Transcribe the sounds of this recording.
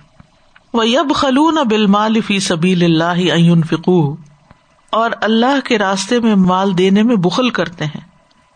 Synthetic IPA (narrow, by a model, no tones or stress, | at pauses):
ʋɐjɐbxɐluːnabɪlmaːlɪfiːsɐbiːlɪlːaːɦɪɐ̃jʊnfɪquːɦ | ɔːɾɐlːaɦkeɾaːst̪emẽmmaːld̪eːnemẽbʊxəlkɐɾt̪eɦɛ̰̃ː